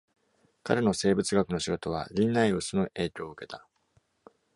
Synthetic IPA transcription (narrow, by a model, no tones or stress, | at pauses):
ka̰ɾe̞no̞se̞ːbɯ̟t͡sɨɡakɯ̟no̞ɕiɡo̞t̪o̞β̞a̰ɾʲĩnːaio̞sonoʔe̞ːkʲo̞ːɯ̟ke̞t̪ḁ